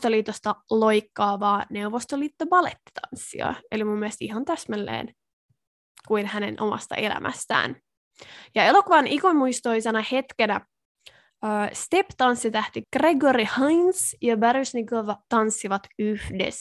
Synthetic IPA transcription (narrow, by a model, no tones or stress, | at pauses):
t̪oliːt̪ost̪ɑlojkːɑːʋɑːneuʋost̪oliːt̪ːobɑlet̪ːi̥t̪ʰɑ̰nsːḭɑ̰elimumːielst̪ihɑnt̪æsmælːḛːn | kuinhænḛnʔomɑ̰st̪ɑ̰ʔelæ̰mʔæ̰st̪æ̰ːn | jɑelokuʋɑnʔikonmuist̪oisɑnɑhet̪kenæ | øːst̪ept̪ɑnsːit̪æht̪iɡ̥reɡoɾihɑjnsjɑbærysnikoʋɑt̪ɑnsːiʋɑt̪yhdḛs